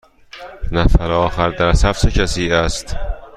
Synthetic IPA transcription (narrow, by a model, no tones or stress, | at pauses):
næfæɾɒːxæɾd̪æɾsæfsecʰæsiːæst̪